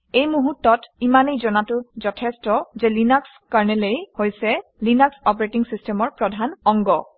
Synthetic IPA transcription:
ejmuɦutːɔtimanejzɔnatʊzɔtʰɛstɔzɛlinaks | kaɹnɛlejhojsɛlinaksɔp̬ɔɹetiŋsistʰɛmɔɹpɹɔdʱanɔŋɡɔ

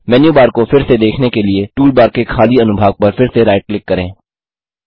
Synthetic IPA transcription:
mɛːnjubaːɾkofɪɾsed̪eːkʰnekelieʈuːlbaːɾkekʰaːliɐnʊbʱaːɡ̚pɐɾfɪɾseɾaːɪʈ̚klɪkːɐɾḛ̃ː

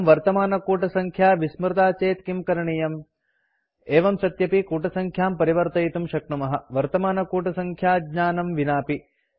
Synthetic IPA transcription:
mʋɐɾt̪ɐmaːnɐkuːʈɐsɐŋkʰjaːʋismɾt̪aːt͡ʃeːt̪kimkɐɾɐɳijɐm | eːʋɐmsɐt̪jɐpikuːʈɐsɐŋkʰjaːmpɐɾiʋɐɾt̪ɐjt̪umʃɐk̚ɳɐmɐɦɐʋɐɾt̪ɐmaːnɐkuːʈɐsɐŋkʰjaːɡɲaːnɐmʋinaːpi

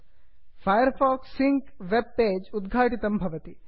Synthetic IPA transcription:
fʰɐjɐɾfaːksːiŋkʋeb̚peːd͡ʒud̪ɡʱaːʈit̪ɐmbʱɐʋɐt̪i

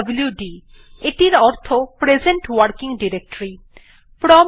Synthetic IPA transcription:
bljuɖi | eʈiɾɔɾt̪ʰopɾed͡ʑeɳʈwaɾkiŋɖiɾek̚ʈoɾi | pɾɔm

